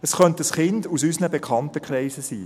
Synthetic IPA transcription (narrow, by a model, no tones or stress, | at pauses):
ɛsχœntəsχɪndusysənəbekʰɑntəkχlɛɪsəsiː